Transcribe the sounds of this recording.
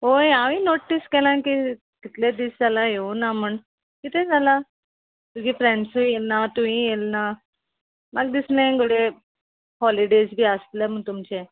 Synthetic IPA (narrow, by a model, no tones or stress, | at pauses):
ojaʋĩnoʈːiskɛlãki | kit̪led̪isd͡zalaɦeũnaməɳ | kit̪ẽd͡zala | k̪ũkifɾẽɳɖsujelnat̪uĩjelna | maɡ̚d̪isnẽɡoɽe | hɔliɖesbʱiːast̪lemət̪umt͡ɕe